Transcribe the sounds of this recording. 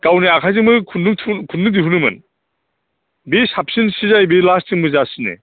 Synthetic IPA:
ɡ̥awniakʰajzɯŋmɯkʰunːɯtʰukʰunnɯdiɦunɯmɯ̰n | besap̚sɯnsizajbelastɯŋmɯzasɯnḛ

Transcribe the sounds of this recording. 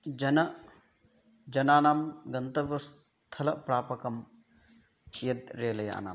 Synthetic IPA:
d͡ʒɐnɐ | d͡ʒɐnaːnaːmɡɐnt̪ɐʋɐs | t̪ʰɐlɐpɾaːpɐkɐm | jɐd̪ɾeːlɐja̰ːna̰ːm

